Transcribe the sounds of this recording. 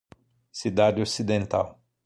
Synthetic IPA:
sid̪ad͡ʒɪosid̪ẽnt̪a̰w

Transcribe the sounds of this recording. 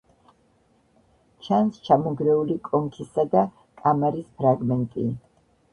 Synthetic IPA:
t͡ʃʰanst͡ʃʰamɔɡɾɛulikʼɔŋkʰisad̪a | kʼamɛɾispʰɾaɡmɛnt̪ʼi

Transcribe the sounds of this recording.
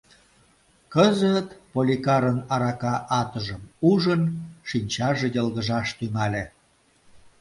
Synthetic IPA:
kəzət̪polʲikɑɾənɑɾɑkɑʔɑt̪əʒəmuʒənʃinʲt͡ɕɑʒejəlɣəʒɑʃt̪yŋɑlʲe

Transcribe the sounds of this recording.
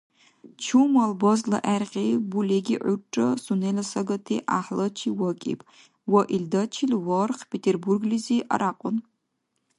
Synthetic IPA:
t͡ʃʰumɐlbozlɐ̰ʔærqʲʼibuleɡʲiʔʷʊʈ͡ʂʼɐsunelɐsɐɡɐtʰiʔaħlɐt͡ʃʰiwɐkʲʼḭpʼ | wɐʔildɐt͡ʃʰilwɐrχpʰetʰerburɡliziʔa̰ɾaqʷʼʊn

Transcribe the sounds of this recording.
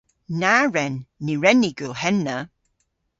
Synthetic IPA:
naɹɛnːiɹɛnːiɡulˠhɛnːə

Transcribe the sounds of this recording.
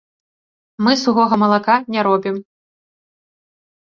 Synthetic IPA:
mɨsuɣɔɣɐmɐlˠakanʲɛɾɔbʲim

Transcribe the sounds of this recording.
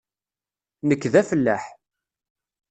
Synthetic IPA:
nəkːðæfəlːæ̰ħ

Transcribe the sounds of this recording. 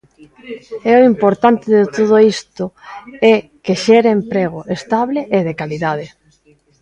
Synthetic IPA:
ɛoimpoɾt̪ant̪ɪðet̪oð̞oist̪ʊɛkeʃɛɾeempɾeɣʊest̪aβleʔeðekaliðað̞e

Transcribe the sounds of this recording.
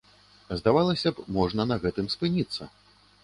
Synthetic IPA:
zd̪avalˠɐsʲɐpmɔʐnɐnɐɣɛt̪ɨmspɨnʲit̪sːɐ

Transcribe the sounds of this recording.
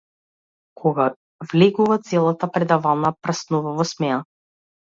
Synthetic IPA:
kʰɔɡa | vlɛɡuvat̪sɛlˠat̪apɾɛd̪avalˠnapɾasnuvavɔsmɛna

